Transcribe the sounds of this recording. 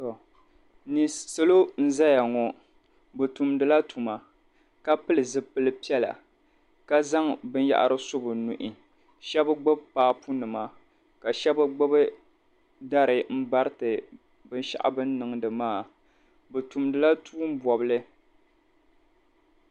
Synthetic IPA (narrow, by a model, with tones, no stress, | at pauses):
ɔ˨ | ni˨so˦lo˦n̩˦za˦ja˨ŋɔ˨ | bɨ˨tu˨mdɨ˨la˦tu˨ma˨ | ka˦pɨ˦lɨ˨zɨ˦pɨ˦lɨ˦pi˦ɛ˦la̰˨ | ka˦za˦ŋbɨ˦n˦ja̰˦ʔa̰˦ɾɨ˦so˦bɨ˨nu˨ʔi˨ | ʃɛ˦bɨ˦ɡ͡bo˦bpaː˦pu˦nɨ˨ma˨ | ka˨ʃɛ˦bɨ˦ɡ͡bʊ˦bɨ˦ | da˦ɾɨ˨m̩˦ba˦ɾtɨ˨ | bɨ˦nʃa̰˦ʔa̰˦bɨ˦nː˦ɨ˨ŋdɨ˨maː˦˨ | bɨ˨tu˨mdɨ˨la˦tuː˦m̩˦bɔ˨bɨ˦lɨ˦